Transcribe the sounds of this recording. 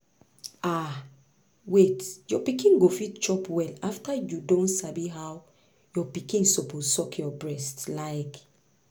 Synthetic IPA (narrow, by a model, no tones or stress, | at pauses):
a | wetjɔpikĩnɡofitt͡ʃɔpwɛlaftajudõntsabiɦaw | jɔpikĩnsoposɔkʰjɔbɹɛstlaɪk